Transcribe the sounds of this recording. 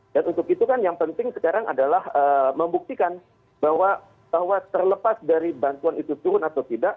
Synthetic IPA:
d̥anunt̪ʊkit̪ukanjaŋpənt̪ɪŋsə̥kaɾaŋʔa̰dalahəːməmbuk̚t̪ikan | baɦwa | b̥ahwat̪ərləpasdaɾibant̪uanit̪ut̪uɾʊnat̪awt̪idaʔ

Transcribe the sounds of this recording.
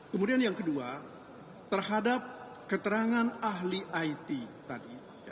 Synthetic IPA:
kəmudianjaŋkədua | t̪ərhadap̚ | kət̪əɾaŋanaɦliʔajt̪it̪adi | ja

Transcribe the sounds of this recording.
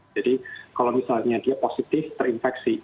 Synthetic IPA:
adikalomisalɲadiaposit̪ɪft̪ərinfɛksi

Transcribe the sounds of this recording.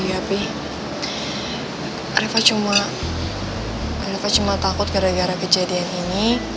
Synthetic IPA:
ɡapi | aɾafat͡ʃuma | ɾafat͡ʃumat̪akʊt̪̚ɡaɾaɡaɾakəd͡ʒadianini

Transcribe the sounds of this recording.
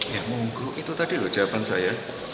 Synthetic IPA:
jamuŋɡʊʔit̪ut̪adilut͡ʃapansaja

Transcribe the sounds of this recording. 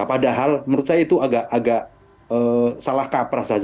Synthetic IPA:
apadaɦalməɾusajait̪uaɡaʔaɡaʔ | əːsalahkapɾahsad͡ʒ

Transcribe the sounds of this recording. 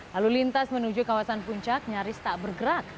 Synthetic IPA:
lalulint̪asmənud͡ʒukawasanpuɲt͡ʃak̚ɲaɾɪst̪aʔbərɡəɾak̚

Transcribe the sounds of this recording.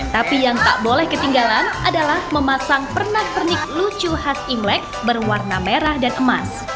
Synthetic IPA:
t̪apijaŋt̪a̰ʔbolɛhkət̪iŋɡalanʔadalahməmasaŋpərnaht̪ərnik̚lut͡ʃuɦasiŋlɛk̚bərwarnameɾahdanʔəmas

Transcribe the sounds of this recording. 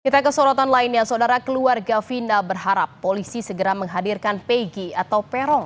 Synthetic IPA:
kit̪akəsɔɾɔt̪anlainɲasaodaɾakəluarɡafinabərɦaɾapːolisisəɡəɾaməŋɦadirkanpeɡiat̪awpɛɾɔŋ

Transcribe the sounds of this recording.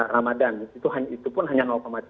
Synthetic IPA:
ramadanit̪uɦaɲit̪upʊnɦaɲanɔk̪omat̪i

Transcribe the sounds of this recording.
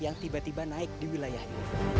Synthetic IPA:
jaŋt̪ibat̪ibanaɪk̚diwilajahɲa̰

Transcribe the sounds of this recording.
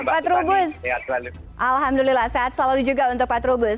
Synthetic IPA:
pat̪ɾubʊsaa | ʔalɦamd̪ulilahseat̪saludid͡ʒuɡaunt̪ʊk̚pat̪ɾubʊs

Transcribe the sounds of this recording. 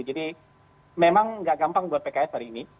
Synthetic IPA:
d͡ʒadi | memaŋŋɡaʔɡampaŋbuat̪̚pekaɛs̚ɦaɾiːni

